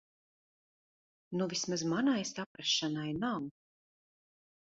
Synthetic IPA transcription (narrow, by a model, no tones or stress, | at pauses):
nuvismazmanajsapɾaʃːanajnaw